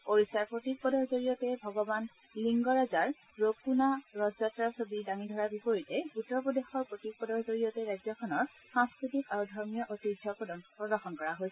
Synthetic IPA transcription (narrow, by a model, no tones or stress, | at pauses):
poɹisaɹpɹotik̚pɔdɔɹzoɹijɔtɛbʱɔɡɔban | liŋɡɔɹazaɹ | ɹokunaɹɔzatɹasobidaŋidʱɔɹabipoɹitɛutɹɔpɔdexɔɹpɹotik̚pɔdɔɹzoɹijɔtɛɹajzɔkʰɔnɔɹ | sãŋskɹitikaɹudʱɔɹmijɔʔotidʱɔpɹɔdɔnpɹɔdɔxɔnkɔɹaɦojsɛ̥